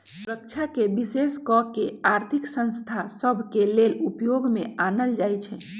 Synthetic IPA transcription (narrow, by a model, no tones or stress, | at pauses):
suɾək̚t͡ʃʰakebiseskɔkːeaɾt̪ʰiksə̃nst̪ʰasəbʱkelelupjoɡmeanəld͡ʒajt͡ʃʰɛ